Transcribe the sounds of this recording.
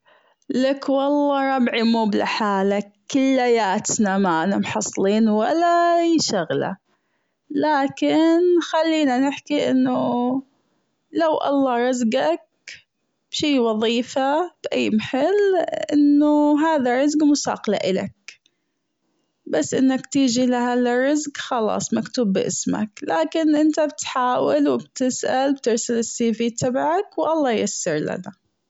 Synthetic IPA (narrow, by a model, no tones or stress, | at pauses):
lakwɑlˤːɑːɾˤɑbʕimuːbla̰ħaːlakːɪlːajaːt̪namaʔanamħɑsˤːliːnwalːajʃaɣla̰ | laːkɪnxalːiːnanɪħkiʔɪnːu | lawʔɑ̰lˤːɑːɾˤɑzɡak̚ | b̥ʃiːwɑðˤiːfab̥ʔajːmaħɪlːʔɪnːʊɦaːðarˤːɑzɡmʊsɑ̰ːqla̰ʔɪla̰k̚ | basːʔɪnːakt̪iːd͡ʒilahaːðarˤːɪzɡxɑlɑ̰ːsˤmakt̪uːbːʔɪ̰sma̰klaːkɪnʔɪnt̪abɪt̪ħaːwɪlwɪbt̪ɪsʔalbt̪ɪɾsalɪsːiːfiːt̪ʰɑbʕakwʔɑlˤːɑːjasːɑɾˤla̰na